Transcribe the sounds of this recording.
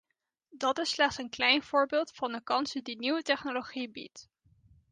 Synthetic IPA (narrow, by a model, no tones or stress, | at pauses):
dɑtɪslɛχtsənklɛjnv̥ʊːɹbɪːlˠtfɑndəkɑnsədiniwətɛχnoloχibḭt